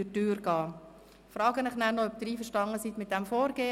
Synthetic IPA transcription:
ɪtyːɾɡ̥ɑː | fɾɑːɡənɪχnæːɾnɔœp̚d̥̪ɪɾiːfəɾʃtɑŋəsit̪mɪt̪̚d̥ɛmfoːɾɡeː

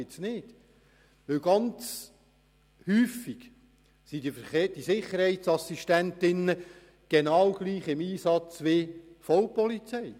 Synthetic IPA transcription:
ɪsnɪːd̥ | ʋɪwɡ̥ɑnt͡s | hyːfːiɡ̥ | sid̥̪ifəeːd̥isɪχəɾhɛɪtsɑsiʃtæntɪnːə | ɡ̥enɑːwɡ̥liːχɪmiːsɑt͡sʋɪfɔwpɔlit͡sɛɪ

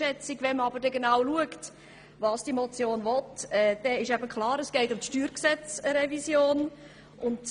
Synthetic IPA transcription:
ɛt͡sɪɡʋɛnməɑbəɾdɛɡenaʊluəkt | vɑːsd̥imɔt͡sjoːnvɔtɛd̥ɛɪʃæbəkʰlɑːɾəsɡ̥ɛɪtʊmt̪ʃtyːɾksɛt͡səɾɛvisjoːn | ʔʊnd

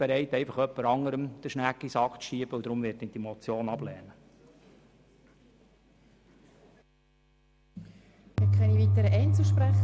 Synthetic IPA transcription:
b̥eɾɛɪt̪ɛɪfɑχœpːəɾɑŋəɾəmd̥əʃnækːisɑkʃiəb̥əud̪ɾʊmvɪːt̚ːɪnd̥imot͡sjoːnɑblɛ̰ːnə | mɪkʰɛniviːt̪əɾəʔɛɪnt͡səʃpɾæχ

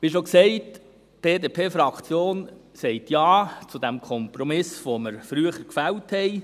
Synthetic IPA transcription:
ʋiʃ̬oksɛɪt | b̥eːdeːpʰeːfɾɑkʰt͡sjoːn | sɛɪtjaːt͡sud̥̪æmkʰɔmpɾɔmɪsʋoməɾfɾyəχəɾkfæwthɛɪ

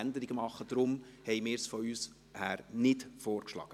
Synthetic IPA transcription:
ænd̪əɾɪɡəmɑχːəd̥ɾʊmhɛjmɪːɾsfɔyːs | hæːɾnɪtfoːɾkʃlɑ̰ːɡ̥ə

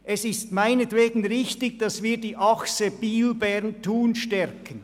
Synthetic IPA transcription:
ʔɛsɪstmaɪnətveːɡn̩ʁɪçtɪɡ̚d̥ɑsviːɐdiːʔɑksəb̥iːlbɛɾntʰuːnʃtɛɾkʰən

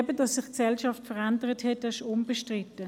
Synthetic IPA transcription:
bədɑsːɪχksɛlʃɑftfəʁændəʁəthɛtɪʃʊnbəʃtʁɪtə

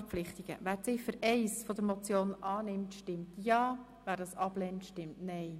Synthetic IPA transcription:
flɪχtiɡ̥ə̰væːɾt͡sɪfəɾɛɪsfɔd̪əɾmɔt͡sjoːnʔɑːnɪmtʃtɪmtjɑː | væːɾdɑːsɑblɛntʃtɪmtnɛɪ

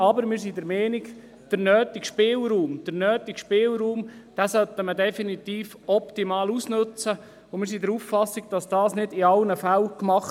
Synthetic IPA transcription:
ɑbəɾmɪːɾsidəɾmɛːniɡ | d̥əɾnœːt̪ikʃpɪːlɾuːmd̥əɾnœːt̪ikʃpɪːlɾuːmd̥ɛːsœt̪ːəmədɛfinit̪iːf | ɔpt̪imɑːlusnɵt͡sə | ʊmɪːɾsidəɾuffɑsiɡ̥̚d̥ɑsd̥ɑːsnɪdiɑlnəfælkmɑχ

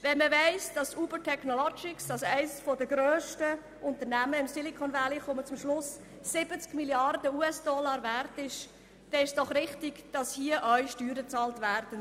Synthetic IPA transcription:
vɛnməvɛɪsd̥ɑsuːbətʰɛknɔlɔd͡ʒɪksd̥ɑsæɪsfɔdəɡɾøːʃtə | ʔʊnt̪ənæməɪmsɪlikʰɔnvæliχʊmət͡sʊmʃlʊsː | ɪbət͡skmiljɑrdəuːɛsd̥ɔlɑːɾværtɪʃ | d̥ɛnɪʃsd̥ɔχrɪχtɪɡd̥ɑshiəʔœɥʃtyːɾət͡sɑːltvæːɾd̥ən

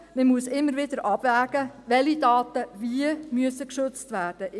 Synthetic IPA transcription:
məmuəsɪmːəɾʋɪd̥̪əɾʔɑb̥væːɡ̥əʋɛlidɑːt̪əviəmyəsəkʃʏt͡stvæːrd̥ə

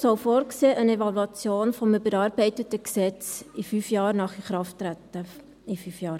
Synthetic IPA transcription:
sɔlfoːrkseːʔənevɑluɑt͡sjoːnfɔməbəɾɑːrbɛɪtətəksɛt͡sifyfjɑːɾnɑχiχɾɑftːɾætːə | ifyfjɑːɾ

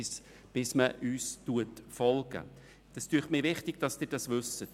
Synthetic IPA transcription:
s | b̥ɪsməʔyːstuətfɔlɡə̰ | d̥ɑstyːχtmiːʋɪχtɪɡ̥̚d̥ɑsd̥ɪːɾdɑsʋʏsət

